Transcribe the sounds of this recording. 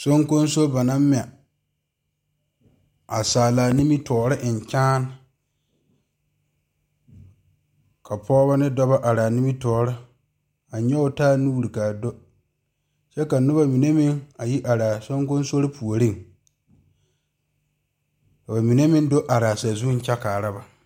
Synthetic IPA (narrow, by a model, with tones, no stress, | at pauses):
so˦ŋko˦nso˦ba˨na˦m˦mɪ˦˨a˨ | a˨saː˨laː˨ni˦mi˦tɔː˨ɾɪ˦ʔɪ˨ɲ˨t͡ʃaː˦n | kʰa˨pʰɔː˦βa˦nɪ˦dɔ˦ba˦ʔa˨ɾa˨ni˦mi˦tɔː˨ɾɪ˦ | a˨ɲɛ˦ʊ˨taː˦nu˦˨ɾi˨ka˨do˦ | t͡ʃɛ˦ka˨nʊ˦ba˦mi˨ne˦mɪ˦ŋa˨ji˦ʔa˨ɾaː˨so˦ŋkʊ˦n˦so˦ɾɪ˦pʰu˨o˨ɾi˦ŋ | ka˨ba˨mi˨ne˦mɪ˦ndo˦ʔa˨ɾaː˨sa˨zu˦n̩˦t͡ʃɛ˦kaː˨ɾa˦ba˨